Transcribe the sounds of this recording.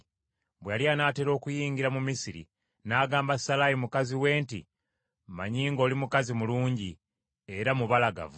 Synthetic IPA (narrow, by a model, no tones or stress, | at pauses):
bwealjanaːte̞ɾo̞ːkujiːŋɡiɾamumisiɾḭ | naːɡaːmbasalajimukaziwe̞ːntḭ | ma̰ɲiːŋɡo̞ːlimukazimuluːɲɟi | e̞ɾamuβalaɡa̰v